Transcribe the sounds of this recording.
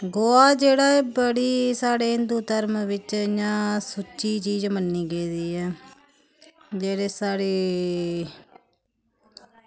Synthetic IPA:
ɡoːaːd͡ʒeːɽaːeːbəɽiːsaːɽeːɪnd̪uːt̪əɾmʋɪt͡ʃjãːsʊt͡ʃːiːt͡ʃiːd͡ʒmənːiːɡeːd̪iːɛː | d͡ʒeːɽeːsaːɽeː

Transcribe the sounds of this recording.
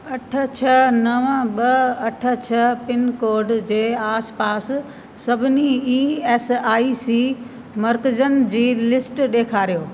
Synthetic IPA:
ɐʈʰə̆t͡ɕʰɐnɐʋəɓɐɐʈʰə̆t͡ɕʰɐpɪnkoːɾɖd͡ʑeːaːspaːsː | ɐbʱɪniiːeːsaːisiː | mɐɾkɪd͡ʑənɪ̆d͡ʑiːlɪsʈɗeːkʰaːɾijoː

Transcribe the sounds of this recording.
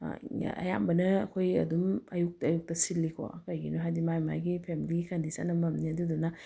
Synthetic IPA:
ɐ̰ja̰mbɐnɐɐkʰojɐ̰dumɐjuk̚tːjuk̚tɐsilːikʰo̰kɐjɡḭnuɦajdimajma̰jɡipʰemiliɡikʰandisa̰nːɐmɐmniɐdudunɐ

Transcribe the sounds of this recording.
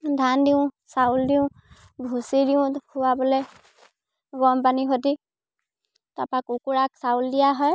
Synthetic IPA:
dʱandiʊ̃ | sauldiʊ̃ | bʱusidiʊ̃kʰuwabɔlɛ | ɡɔmpaniɦodi | tapakukuɹaksawldijaɦɔj

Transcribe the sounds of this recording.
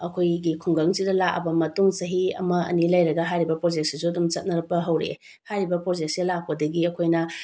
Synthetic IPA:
ɐkʰojɡikʰuŋɡɐŋsidɐlakɐ̰bɐmɐtuŋsɐɦiɐ̰mɐɐ̰nilɐjɾɐɡɐɦajɾibɐpɾod͡ʒek̚sisuɐdumt͡ʃɐt̚nɐɾɐpɐɦɐwɾḛ | hajɾibɐpɾod͡ʒek̚silak̚pɐdɐɡiɐkʰojnɐ

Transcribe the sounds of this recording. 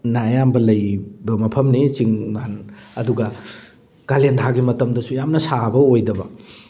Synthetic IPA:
naːjambɐlɐjbɐmɐpʰɐmnit͡ʃiŋmanɐduɡɐ | kalendʰaɡimɐtɐmdɐsujamnɐsabɐojdɐbɐ

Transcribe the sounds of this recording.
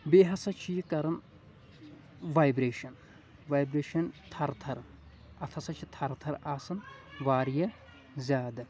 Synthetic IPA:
beɦɐsɐt͡ʃʰijikɐɾɨn | ʋajbɾeʃɐn | ʋajbɾeːʃɐnt̪ʰɐɾt̪ʰɐɾ | ɐt̪ʰɐsɐt͡ʃʰit̪ʰɐɾt̪ʰɐɾaːsɨnʋaːɾijɐ | zʲaːd̪ɨ

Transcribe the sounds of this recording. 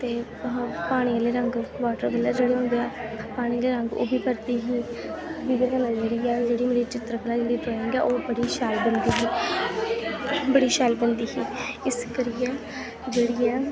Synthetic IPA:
t̪eː | paːɽ̃iːəleːɾəŋɡʋaːʈəɾbəlɛːd͡ʒeːɽeːʊnd̪eɛːpaːɽ̃iːəleːɾəŋɡo̰ːbiːpəɾt̪iːɦiːbiːɡɾkəlaːd͡ʒeːɽiːɛːd͡ʒeːɽiːmeːɾiːt͡ʃɪt̪ɾəkəlaːd͡ʒeːɽiːtoːẽːŋɡɛ̰ːʔoːbəɽiːʃaːlbənd̪iːɦiː | bəɽiːʃaːlbənd̪iːɦiːɪskəɾɪjɛː | d͡ʒeːɽiːɛː

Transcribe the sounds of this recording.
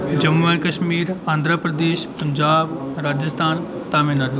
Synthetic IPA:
d͡ʑɐmuʋankɐʃmiːɾãːnd̪ʱɾapɾəd̪eːʃpɐ̃ɲd͡ʑaːbɾaːd͡ʑəst̪ʰaːn | t̪aːmɪnaɗo

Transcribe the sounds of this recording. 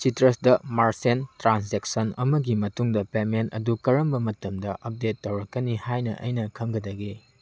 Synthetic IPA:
t͡ʃitɾɐsdɐmaɾsentɾans̬ek̚sɐnɐmɐɡimɐtuŋdɐpementɐ̰dukɐɾɐmbɐmɐtɐmdɐʔɐp̚detːɐwɾɐkːɐnihajnɐ̰ʔɐ̰jnɐkʰɐŋɡɐdɐɡi

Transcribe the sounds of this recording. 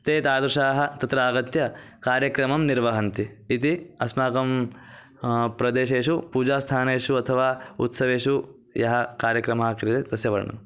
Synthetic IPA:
t̪eːt̪aːd̪ɾuʃaːɦɐ̆t̪ɐt̪ɾaːɡɐt̪jɐ | kaːɾjɐkɾɐmɐmniɾʋɐɦɐnt̪iːt̪iɐsmaːɡɐm | pɾɐd̪eːʃeːʃupuːd͡ʒaːst̪ʰaːneːʂuɐt̪ʰɐʋaːṵt̪sɐʋeːʂu | jɐɦɐ̆kaːɾjɐkɾɐmɐɦɐkɾit̪ed̪ɐsjɐʋɐɾɐɳɐ̰m

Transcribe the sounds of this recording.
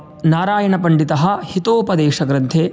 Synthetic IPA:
naːɾaːjɐɳɐpɐɳɖit̪ɐɦɐ̆hit̪oːpɐd̪eːʃɐɡɾɐnt̪ʰeː

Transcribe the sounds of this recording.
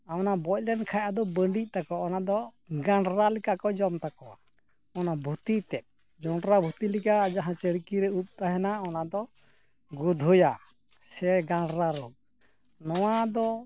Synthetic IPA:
awnabɔc̚lɛnkʰajad̪ɔbəɳɖic̚ˀt̪akɔɔnad̪ɔ | ɡaɳɖɾalikakɔd͡ʒɔmt̪akɔwa | ɔnabʱut̪it̪ɛt̪̚ | d͡ʒɔɳɖɾabʱut̪ilikad͡ʒaɦãt͡ʃəɽkiɾɛut̪̚ˀt̪aɦɛnaɔnad̪ɔ | ɡud̪ʱuja | sɛɡaɳɖɾaɾuʔ̚ | nɔw̃ad̪ɔ

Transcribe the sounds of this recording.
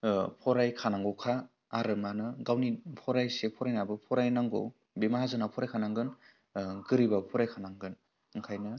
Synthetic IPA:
pʰɔɾajkʰanaŋɡɔwkʰaː | ɾɯmanɯɡawnipʰɔɾajsepʰɔɾajnabɯpʰɔɾajnaŋɡo̰w | bemaɦazɯnapʰɔɾajkʰanaŋɡɯn | ɡɯɾibapʰɔɾajkʰanaŋɡɯn | ɯŋkʰajnɯ

